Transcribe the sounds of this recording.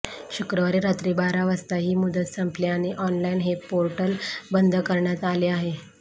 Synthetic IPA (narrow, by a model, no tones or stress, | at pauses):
ɕukɾəʋaɾiɾat̪ɾibaɾaʋəst̪aɦiːmud̪ət̪səmpleaniʔɔnlainɦepoɾʈəlbənd̪ʱəkəɾɳjat̪aleaɦe